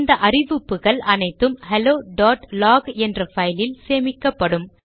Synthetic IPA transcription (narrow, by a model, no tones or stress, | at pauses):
nd̪ɐʔɐrɪʋɯpːɯɣɐɭɐnɐɪt̪ːɯmhɛloːɖaːʈlaːɡɛndrɐfɐjlɪlseːmɪkːɐpːɐɽɯm